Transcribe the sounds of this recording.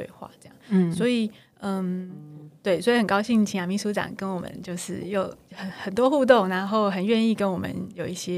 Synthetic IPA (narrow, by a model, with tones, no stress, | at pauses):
wḛ˥˧ɪxwa̰˥˩ɤ˥˧jɑ̰˥˨ŋ˩swɔ˧˥i˨˩ | ə˧˩mt̪we˥˩ɪswɔ˧˥i˨˩ə˨˩nkɑ˥ʊɕi˥˧ŋ˨˩t͡ɕʰi˧ŋja˨˩mi˧˥ʂu˧˥ʈ͡ʂɑ̰˨˩ŋkə˦˥nwɔ˨˩mə̰˨˦nt͡ɕjo˥˧ʊʂɻ̩˥˩jo˨˩ʊə˨˩xə˨˩nt̪wɔ˦˥xu˥˧t̪̬o˥˩ŋna˧˥nxo˥˩ʊxə˨˩nɥɛ˥˧ni˥˩kə˦˥nwɔ˨˩mə̰˧˦njo˨˩ʊi˥˩ɕjɛ˦